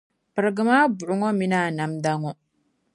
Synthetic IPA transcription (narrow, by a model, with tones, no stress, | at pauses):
pɨ˨ɾɨ˨ɡɨ˨maː˦bu˨ʔʊ˨ŋɔ˦mi˦naː˦˨na˨mda˦ŋɔ˦